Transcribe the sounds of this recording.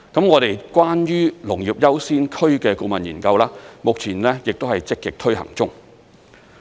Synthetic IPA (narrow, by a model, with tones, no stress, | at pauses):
kɐ˨˥mŋɔː˨˧ɾe˨jkwaː˥njyː˥lʊ˨˩ŋji˨p̚jɐ˥wsiː˥nkʰɵ˥ɥkɛː˧ko˧mɐ˨njiː˨˩nkɐ˧wlaː˥mʊ˨k̚t͡sʰiː˨˩nlɛː˥jɪ˨k̚t̪o˥whɐ˨jt͡sɪ˥kːɪ˨k̚t̪ʰɵ˥ɥhɐ̰˨˩ŋt͡sʊ˥ŋ